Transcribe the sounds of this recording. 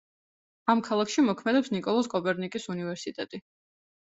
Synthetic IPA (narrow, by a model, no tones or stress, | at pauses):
amkʰalˠakʰʃimɔkʰmɛd̪ɛpsnikʼɔlˠɔskʼɔpʼɛɾnikʼisunivɛɾsit̪ʼɛt̪ʼi